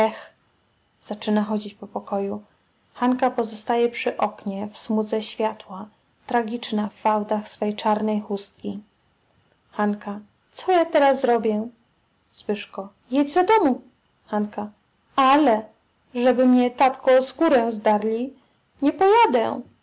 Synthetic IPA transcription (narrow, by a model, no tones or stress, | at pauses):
ɛx | z̥at͡ʂɘnaxɔd͡ʑit͡ɕpɔpɔkɔju | xankapɔzɔst̪ajɛpʂɘʔɔkɲɛfsmud̪zɛɕfʲjat̪wa | t̪ɾaɡʲit͡ʂnafːawd̪axsfɛjt͡ʂaɾnɛjxust̪kʲi | xanka | t̪sɔjat̪ɛɾasɾɔbʲjɛ | swɘʂkɔ | jɛd͡ʑzad̪ɔmu | xanka | alɛ | ʐɛbɘmɲɛt̪at̪kɔskuɾɛzd̪aɾlʲi | ɲɛpɔjad̪ɛ̰